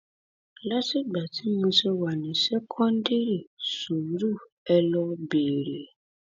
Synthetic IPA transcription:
la˦ti˦˨ɡ͡ba˨ti˨˦mõ˧se˧wa˨nĩ˨sɛ˦kʰɔ̃˦n˦di˦ɾi˦˨su˨˦ɾu˦˨ | ɛ˧lɔ˧be˨ɾe˨

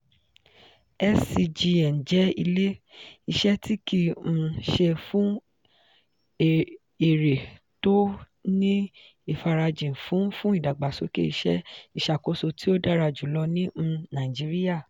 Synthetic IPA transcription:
ɛ˦si˧d͡ʒi˧ɛ˨n̩˨d͡ʒɛ˨˦i˧le˦i˧ʃɛ˦ti˦ki˧m̩̃˧ʃe˧fũ˦˨ | e˨ɾe˨ | to˦ | nĩ˦ | i˦˨fa˧ɾa˧d͡ʒĩ˨fũ˨˦fũ˦i˦˨da˨ɡ͡ba˨so˨˦kḛ˦i˧ʃɛ̰˦i˦˨ʃa˨ko˨˦so˧tʰi˦o˦da˦ɾa˧d͡ʒu˨˦lɔ˧nĩ˦˧nã˨i˨d͡ʒi˨˦ɾi˦ja˦˨

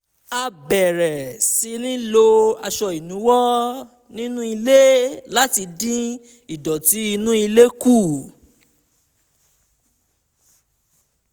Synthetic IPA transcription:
a˧bɛ˨ɾɛ˨si˨˧nĩ˦lo˧a˧ʃɔ˧i˨nũ˨˦wɔ˦ | nĩ˦nũ˦i˧le˦la˦ti˧dĩ˦ | i˨dɔ˨ti˨˦i˧nũ˦i˧le˦ku˦˨

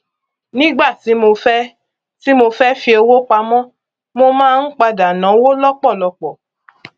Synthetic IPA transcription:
nĩ˦ɡ͡ba˦˨ti˨˦mo˧fɛ˦ | ti˦mo˧fɛ˦fi˧o˧wo˦k͡pa˧mɔ̃˦ | mo˧mãː˦n̩˦k͡pa˧da˨nã˨˦o˦wo˦lɔ˦k͡pɔ˦˨lɔ˧k͡pɔ˨

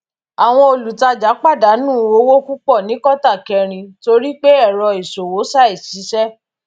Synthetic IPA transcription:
a˨w̃ɔ̃˧o˧˨lu˨ta˧d͡ʒa˨˦k͡pa˦˨da˨˦nũː˦˨o˦wo˦ku˦k͡pɔ˦˨nĩ˨˦kɔ˦ta˦˨kɛ˧ɾ̃ĩ˧to˧ɾi˦k͡pe˦ɛ˦˨ɾɔ˧i˨so˨wo˨˦sa˦˨i˨ʃi˨˦ʃɛ˦

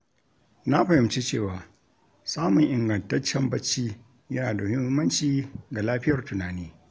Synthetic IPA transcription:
na˦ɸɐ˨hɪ˨mt͡ʃi˦t͡ʃeː˦˨waː˨ | saː˦mʊ˨ŋʔɪ˨ŋɡɐ˨ntɐ˦t͡ʃːɛ˦mbɐ˦t͡ʃːiː˦ | jɐ˦naː˨da˨mʊ˦hɪ˦ɪ˦mːɐ˦nt͡ʃiː˦ɡa˨laː˦ɸɪ˦jɐ˨rtʊ˨naː˨niː˦

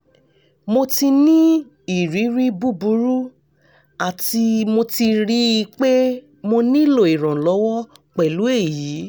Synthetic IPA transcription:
mo˧ti˧nĩ˦ | i˨ɾi˨˦ɾi˦bu˦bu˨˦ɾu˦ | a˨ti˧mo˧ti˧ɾi˨˦i˧k͡pe˦ | mo˧nĩ˦lo˦˨i˨ɾ̃ɔ̃˨lɔ˨˦wɔ˦k͡pɛ˨lu˨˦e˦˨ji˨˦

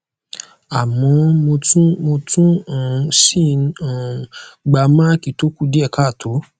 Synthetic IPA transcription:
a˨mɔ̃˨˧˦mo˧tũ˦mo˧tũ˦ã˨˧sĩ˦˨nã˨ɡ͡ba˧mã˦ki˨to˦ku˦˨di˦ɛ˦˨ka˦˨tʰo˨˦

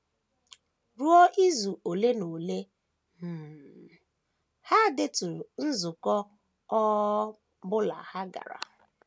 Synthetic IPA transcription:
ɾu˦ɔ˦ʔi˦zu˨ʔo˨le˦no˨le˦ | m̩˨ | ha˦˨dɪ˦tu˨n̩˦zu˨kɔ˦ | ɔ˦ | bʊ˦la̰˨ha˦ɡa̰˨ɾa̰˨

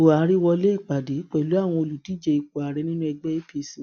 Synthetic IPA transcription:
o˨a˨˦ɾi˦wɔ˧le˦˨k͡pa˨de˨˦k͡pɛ˨lu˨˦a˦˨w̃ɔ̃˧o˧lu˨ti˨˦d͡ʒɛ˧i˧ko˨a˨ɾɛ˨˦nĩ˦nũ˦ɛ˧ɡ͡bɛ˦i˦pi˧˨si˨

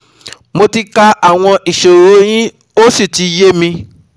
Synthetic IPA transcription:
mo˧ti˧ka˧ʔa˦˨w̃ɔ̃˧ʔi˨ʃo˨ɾo˨˦j̃ĩ˦ | o˦si˦˨ti˧˦je˦mĩ˧

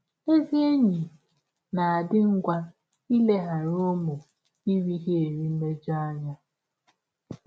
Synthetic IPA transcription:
e˦zi˦e˦ɲi˨ | na˨a˨dɪ˦ŋ̩˦ɡʷa˦ | i˦le˦ɦa˨ɾo˦mʊ˨ | i˦ɾi˦ɦe˦e˨ɾi˦me˦d͡ʒa˦a˦ɲa˦

